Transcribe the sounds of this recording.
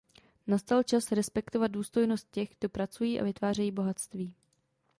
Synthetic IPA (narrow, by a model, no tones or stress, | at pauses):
nast̪alt͡ʃasɾɛspɛkt̪o̞vat̪̚duːst̪o̞jno̞st̪̚cɛxɡ̥̚do̞pɾat͡sujiːʔa̰vɪt̪vaːrɛjiːbo̞ɦat̪st̪viː